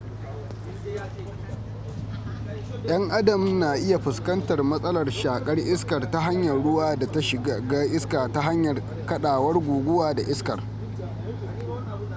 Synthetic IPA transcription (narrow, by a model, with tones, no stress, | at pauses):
ʔj̰ɐ˦ŋʔa˦dɐ˨m˦naː˨ʔɪ˦ja˨ɸɪ˨skɐ˦ntɐ˨rmɐ˦sʼɐ˦lɐ˨rʃaː˨kʼɐ˦rʔɪ˦skɐ˨rta˦ɦa˦ɲjɐ˨rɽʊ˦waː˦da˨ta˦ʃɪ˨ɡɡaː˦ʔɪ˦skaː˨ta˦ɦa˦ɲjɐ˨r | kɐ˦ɗaː˨wɐ˦rɡʷuː˨ɡʷʊ˦waː˨da˨ʔɪ˦skɐ˨r